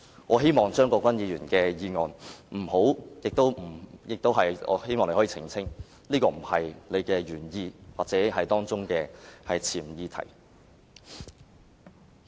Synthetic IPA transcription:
ŋɔː˨˧ɦe˥jmɔː˨˩ŋt͡ʃœː˥ŋkɔː˧kʷwɐ˥njiː˨˧jyː˨˩nkɛː˧jiː˨˧ŋɔː˨nm̩˨˩ho˨˥wjɪ˨k̚t̪o˥wm̩˨˩jɪ˨k̚t̪o˥wɦɐ˨jʔɔ̰ː˨˧he˥jmɔː˨ŋle˧hɔː˨˥iː˧t͡sʰɪ˨˩ŋt͡sʰɪ˥ŋ | liː˥kɔː˧m̩˨˩hɐ˨jle˨˧jkɛː˧ɥyː˨˩njiː˧waː˨t̚t͡sɛː˨˥ɦɐ˨jt̪ɔː˥ŋt͡sʊ˥ŋkɛː˧hɐ˨jt͡sʰiː˨˩m˨jiː˧t̪ʰɐ̰˨˩j

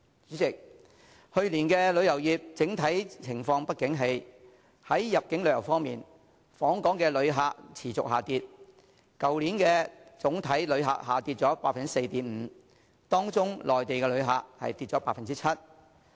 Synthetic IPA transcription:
ɪ˨k̚ | hɵ˧ɥliː˨˩nkɛː˧lɵ˨˧ɥjɐ˨˩wjiː˨p̚t͡sɪ˨˥ŋt̪ʰɐ˨˥jt͡sʰɪ˨˩ŋfɔː˧ŋpɐ˥t̚kɪ˨˥ŋɦe˧j | hɐ˨˥jːɐ˨p̚kɪ˨˥ŋlɵ˨˧˥jɐ˨˩wfɔː˥ŋmḭː˨n | fɔː˨˥ŋkɔː˨˥ŋkɛː˧lɵ˨˧ɥɦaː˨k̚t͡sʰiː˨˩t͡sʊ̰˨k̚ɦaː˨˩t̪iː˨t̚ | kɐ˨wliː˨˥nkɛː˧t͡sʊ˨˥ŋt̪ʰɐ˨˥jlɵ˨˧ɥɦa̰ː˨k̚haː˨t̪iː˧t̚t͡sɔː˨˥paː˧t̚fɐ˨nt͡si˥se˧jt̪iː˨˥mm̩˨˧˦ | t̪ɔː˥ŋt͡sʊ˥ŋlʔɔː˨jt̪e˨jkɛ˧lɵ˨˧ɥɦa̰ː˨k̚hɐ̰˨jt̪iː˧t̚t͡ʃɔː˨˥paː˧t̚fɐ˨nt͡si˥t͡sʰɐ˥t̚

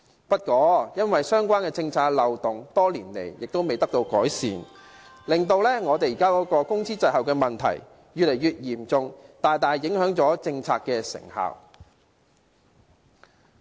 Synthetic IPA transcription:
pɐ˥t̚kɔː˨˥jɐ˥nwɐ˨jsœː˥ŋkʷwaː˥nkɛː˧t͡sɪ˧ŋt͡sʰaː˧k̚lɐ˨wt̪ʊ˨ŋt̪ɔː˥liː˨˩nlḛ˨˩jjɪ˨k̚t̪o˥wme˨jt̪ɐ˥k̚t̪o˧wkɔː˨˥jsḭː˨n | lɪ˨˩ŋt̪o˧wlɛː˥ŋɔː˨˧t̪e˨jiː˨kaː˥kɔː˨˥kɔː˧kʊ˥ŋsiː˥t͡sɐ˧ɦɐ˨wkɛː˧mɐ˨nt̪ʰɐ̰˨˩j | jyː˨t̚le˨˩jyː˨˧t̚jiː˨˩mt͡sʊ˨˧ŋt̪aː˨jt̪aː˨jːɪ˨˥ŋhœː˨˥ŋt͡sɔː˨˥t͡sɪ˧ŋt͡sʰaː˧kːɛː˧sɪ̰˨˩ŋha̰ː˨˩w

